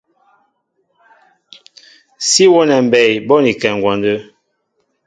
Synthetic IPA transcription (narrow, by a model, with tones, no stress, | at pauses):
si˦wɔ˦nɛ˨m˨bɛ˨jbɔ˦ni˨kɛ˨ŋɡwa˨ndə˦